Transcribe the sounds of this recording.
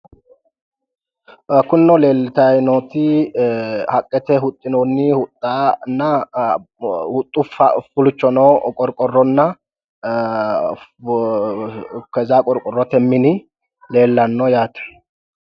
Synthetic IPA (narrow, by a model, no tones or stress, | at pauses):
ɐkːʊnːɔle̞ːlːɪt̪ɐjnoːt̪ɪ | hɐkʼːɛt̪ɛɦʊt̪ʼːɪnonːɪhʊt̪ʼːaːnːɐ | hʊt̪ʼːʊfɐ̰fʊlʊt͡ʃːɔnɔːkʼɔɾkʼɔrːɔnːɐ | kɛzaːkʼɔɾkʼɔrːɔt̪ɛmːɪnɪ | le̞ːlːɐnːɔjaːt̪ɐ̥